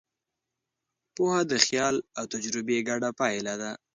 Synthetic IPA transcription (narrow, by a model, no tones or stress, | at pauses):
pohad̪əxjɑlawt̪ad͡ʒɾɪbeɡaɖapɑjlad̪a